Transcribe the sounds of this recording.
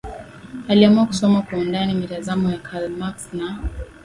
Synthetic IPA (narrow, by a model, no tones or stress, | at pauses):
aliamuaku̥sɔmakwaundanimitazamɔjakʰalmaksna